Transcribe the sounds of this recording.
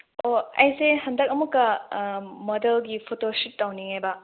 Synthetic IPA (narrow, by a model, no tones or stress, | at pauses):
oɐjseɦɐndɐk̚ɐmukːɐ | mɔdelɡipʰotoʃit̚tːawniŋabɐ